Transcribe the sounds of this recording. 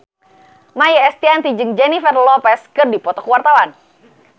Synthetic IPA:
majaɛst̪iant̪id͡ʒɨŋd͡ʒɛnifɛrlɔpɛskɨrdipɔt̪ɔkuwart̪awan

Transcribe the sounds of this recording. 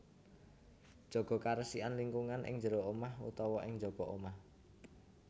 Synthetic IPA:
d̥ʒ̥ɔ̤ɡ̥ɔ̤kaɾəsianliŋkuŋanʔɪ̰ŋd͡ʒəɾoomahṵt̪ɔwɔʔɪŋd͡ʒɔɡ̥ɔ̤ʔomah

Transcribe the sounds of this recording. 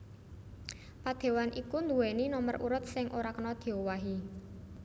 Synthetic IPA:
pad̪̥e̤wanʔikund̪uweninɔmərʔuɾʊt̪̚sɪŋʔoɾakənɔd̪̥e̤owaɦi

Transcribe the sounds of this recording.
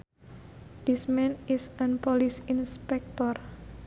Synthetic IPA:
d̪̥ismɛnisanpɔlisinspɛk̚t̪ɔr

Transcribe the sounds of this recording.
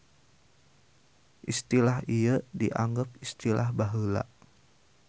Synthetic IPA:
ʔist̪ilahiədiʔaŋɡap̚ist̪ilahbaɦəla̰ʔ

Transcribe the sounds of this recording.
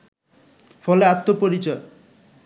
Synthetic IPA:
fʰɔleat̪ːopoɾit͡ɕɔj

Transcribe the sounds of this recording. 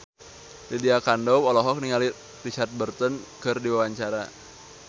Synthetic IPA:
lidiakandɔwɔlɔɦɔk̚niŋali | rit͡ʃart̪̚bərt̪ɔnkɨrdiwawaɲt͡ʃaɾa

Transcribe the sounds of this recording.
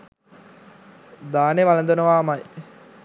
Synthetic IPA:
d̪aːneʋalɐnd̪onəʋaːmaj

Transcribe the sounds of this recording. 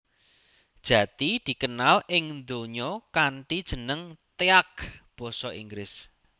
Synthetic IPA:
d̥ʒ̥ä̤t̪id̪̥i̤kənalɪŋnd̪oɲɔkaɳʈid̥ʒ̥ə̤nəŋt̪eak̚b̥ɔ̤sɔʔiŋɡɾɪs

